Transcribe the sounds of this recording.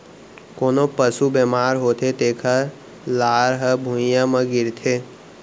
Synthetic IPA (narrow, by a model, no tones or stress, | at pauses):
koːnopəsubemaːɾɦoːt̪ʰet̪eːkʰə | laːɾɦəbʱujãmə̃ɡɪɾt̪ʰe